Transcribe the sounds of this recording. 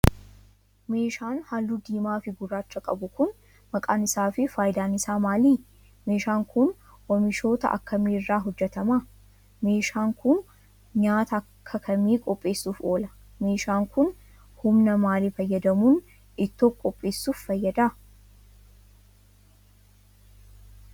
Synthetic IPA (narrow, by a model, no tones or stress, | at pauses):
me̞ːʃaːnhalːuːd̪iːmaːfɪɡʊrːaːt͡ʃːɐkʼɐ̰bʊkʊn | mɐkʼaːnɪsaːfɪfaːjɪd̪aːnɪsaːmaːliː | me̞ːʃaːŋkʊn | wɔmɪʃo̞ːt̪ɐ̰ʔɐ̰kːɐmiːrːaːɦɔd͡ʒːɛt̪ɐmaː | me̞ːʃaːŋkʊn | ɲaːt̪ɐkʰːɐkʰɐmiːkʼɔpʼːe̞ːsːuːfo̞ːlɐ | meːʃaːŋkʊn | hʊmnɐmaːliːfɐjːɐd̪ɐmuːn | ɪt̪ːoːkʼɔpʼːe̞ːsːuːfːɐjːɐd̪aː